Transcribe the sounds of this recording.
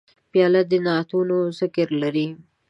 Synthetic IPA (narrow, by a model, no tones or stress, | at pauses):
pjɑlad̪ənɑt̪unosɪkəɾlaɾi